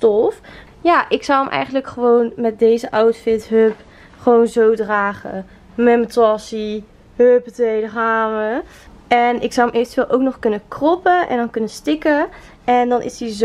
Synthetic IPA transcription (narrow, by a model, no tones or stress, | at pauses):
stɔf | jaːʔɪksɑwəmʔɛ̰jχəndləkχəʋownmɛt̚dejzəʔɑwtfɪtɦøp | χəʋownzowdraːχə̰ | mɛmətɔsi | ɦøptejdəχaːmə | ɛnʔɪksɔwəmeːvəntyʋɪːlˠʔowknɔχkɵnənkrɔpənʔɛ̰ndɑnkɵnəstɪkə | ɛndɑnʔɪ̰sdiz